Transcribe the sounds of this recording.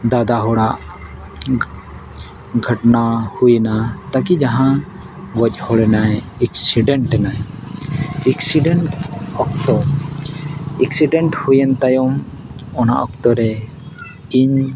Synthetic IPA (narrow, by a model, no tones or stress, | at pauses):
d̪ad̪aɦɔɽaʔ | ɡʱəʈnahujnat̪ak̬id͡ʒaɦã | wɔc̚ˀhɔɽɛnajɛksiɖɛɳʈɛnaj | ɛksiɖɛɳʈɔk̚t̪ɔ | ɛksiɖɛɳʈhujɛnt̪ajɔm | ɔna̰ʔɔk̚t̪ɔɾɛ | iɲ